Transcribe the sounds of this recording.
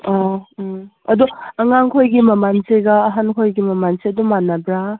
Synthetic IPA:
ɔ | ɐd̪ɔɐŋaŋkʰojɡimɐmanseɡaːɦankʰojɡimɐmanseɐdɔmanabɾa

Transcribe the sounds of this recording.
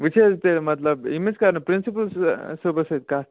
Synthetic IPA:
ʋit͡ɕed͡zt̪elmət̪ləbimit͡skaɾnəpɾinsipəlssəbəset̪̚ka

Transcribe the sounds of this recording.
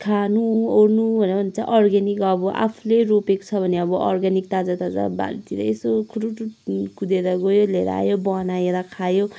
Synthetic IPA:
kʰanuornuʌnʌbʱʌnt͡sa̰ʔʌrɡanikʌbɔʔa̰pʰuleropeko̥t͡sʰʌbʱʌneʌbʌʔʌ̰rɡanikt̪ad͡zat̪ad͡za̰ba̰lt̪iɾʌ̰esokʰuɾuʈukud̪eɾaɡojoleɾ̰a̰jobʌnajeɾakʰajo

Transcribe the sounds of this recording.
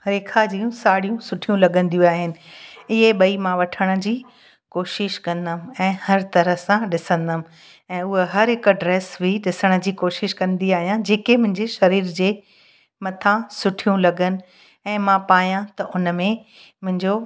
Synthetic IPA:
ɾeːkʰad͡ʑijũsaːɽijũsʊʈʰijũlɐɠə̃nd̪ijũaːɦɪnɪ̆ɪɦeɓɐimãʋɐʈʰəɽ̃ə̆d͡ʑiː | koːʃɪʃkɐ̃nd̪əm̆ɛ̃ːhɐɾt̪ɐɾə̆sãɗɪsə̃nd̪əmɪ̆ | ɛ̃ːʊɦeɦɐɾɦɪkə̆ɖɾeːsbʱiɗɪsəɽ̃ə̆d͡ʑiːkoːʃɪʃkɐ̃nd̪iaːɦijãd͡ʑeːkemʊ̃ɦɪ̃ɲd͡ʑeʃɐɾiːɾd͡ʑeː | mɐt̪ʰãsʊʈʰijũlɐɡənɪ̆ | ɛ̃ːmãpaːjãt̪ɐʔʊnəmẽ | mʊ̃ɦɪ̃ɲd͡ʑo

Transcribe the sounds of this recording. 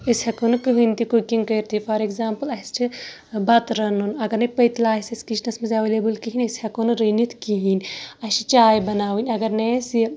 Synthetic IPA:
ɐsʲhɐkunɨkɨɦɨnʲt̪ikukiŋɡkɐjɾt̪ifɐɾekzaːmpɨlɐst͡ʃʰi | bɐt̪ɾɐnunɐɡɐɾnɐpɐt̪laːɦisʲɐsʲkiʃnɐsmɐzʲɐʋelebɨlkiɦinʲesʲhɐkunɨɾɐnit̪ʰkiɦinʲɐʃit͡ʃaːjbɐnaːʋinʲɐɡɐɾnesi

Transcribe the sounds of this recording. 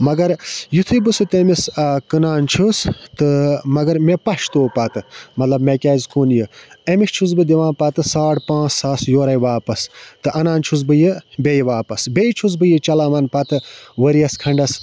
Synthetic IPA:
mɐɡɐɾjit̪ʰɨbɨsɨt̪emisɐkɨnaːnt͡ʃʰust̪ɨmɐɡɐɾmepɐʃt̪oːpɐt̪ɨmɐt̪lɐbmekʲaːzkuːnjɨemit͡ʃʰus̬bɨd̪iʋãːnpɐt̪ɨsaːʈpãːt͡ssaːsjoːɾɐjʋaːpɐst̪ɨʔɐnaːnt͡ʃʰus̬bɨjɨbʲejʋaːpɐsbejt͡ʃʰus̬bɨjɨt͡ʃɐlaːmɐnpɐt̪ɨʋɐɾijɐskʰɐɳɖɐs

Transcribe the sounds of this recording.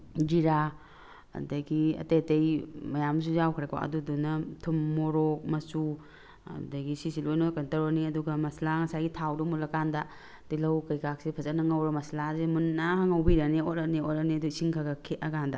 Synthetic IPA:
d͡ʒiɾa | ɐ̰dɐɡiɐ̰tetejmɐjams̬ujawkʰɾakba̰ʔɐ̰dudunɐtʰumːoɾɔk̚mɐsṵ | dɐɡisisilojnokɐntɐɾoniɐduɡɐmɐslaŋɐsajɡitʰawdumulɐkandɐ | dilɐwkɐjkak̚sipʰɐzɐnɐŋɐwɾɐmɐslazemunnahaŋɐwbiɾɐneot̚ɐneotɐniɐduisiŋkʰaɡakʰeɐɡandɐ

